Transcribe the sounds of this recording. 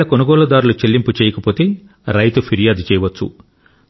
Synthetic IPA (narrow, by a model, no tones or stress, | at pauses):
ɐkonuɡɔːlɐd̪aːɾulut͡ʃelːimput͡ʃɛːjɐkɐpoːt̪e̞ː | ɾɐjt̪upʰiɾijaːd̪ut͡ʃɛːjɐʋɐt͡ʃːṵ